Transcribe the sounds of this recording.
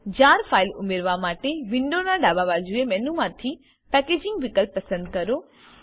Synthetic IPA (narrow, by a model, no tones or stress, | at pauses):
d͡ʑaːɾfaːɪlʊ̰meːɾʋamaːʈeʋɪ̃ɳɖonãɖaːbaʋaɾd͡ʑuemɛːnũmãːt̪ʰi | pɛːkeːd͡ʑɪ̃ŋɡʋɪkəlpːɐsə̃nd̪̚kɐɾoː